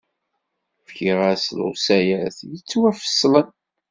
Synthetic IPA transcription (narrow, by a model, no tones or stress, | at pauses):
fçiʁæslo̰sæjæθjət͡sːwæfə̥slən